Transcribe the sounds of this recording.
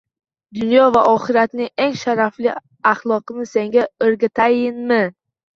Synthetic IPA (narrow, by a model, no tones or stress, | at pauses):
d̪ʊnjɒvaʔɒχɨɾat̪nɪŋeŋʃaɾaflɪ | aχlˠɒqɨnɪse̞ŋɡʲaɵɾɡʲat̪ʰajɪnmɪ